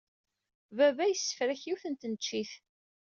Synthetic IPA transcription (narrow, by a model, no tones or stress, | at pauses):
vævæjsːə̥fɾæçiwθənt̪nət͡ʃːiθ